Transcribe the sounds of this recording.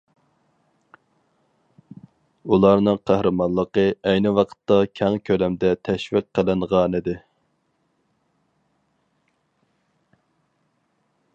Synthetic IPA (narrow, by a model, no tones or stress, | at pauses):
ulˠɑɾnɨŋqʰæhɾɨmɑnlˠəqəɛjnɪwɑqʰə̥t̪ːɑkʲʰɛŋkʲʰølɛmd̪ɛt̪ʰɛʃvɪqːəlɪnʁɑnɨd̪ɪ